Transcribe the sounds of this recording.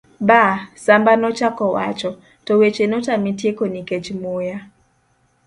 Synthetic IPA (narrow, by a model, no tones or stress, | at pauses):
basambanɔt͡ʃakɔwat͡ʃɔ | tɔwet͡ʃenɔtamitjekoniket͡ʃmoja